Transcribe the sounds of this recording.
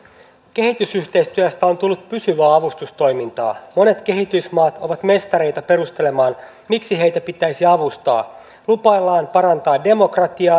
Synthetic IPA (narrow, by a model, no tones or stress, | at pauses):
k̟e̞hit̪ysyçt̪e̞jst̪yæst̪æo̞nt̪ulːut̪pysyʋæːɑʋust̪ust̪o̞jmint̪ɑ̰ːmo̞ne̞t̪ke̞ɦit̪ysmɑːt̪o̞ʋɑt̪me̞st̪ɑɾe̞jt̪æpe̞ɾust̪e̞le̞mɑːn | miksiɦe̞jt̪æpit̪æjsiɑʋust̪ɑ̰ː | lupɑjlːɑːnpɑɾɑnt̪ɑːde̞mo̞krɑt̪iɑː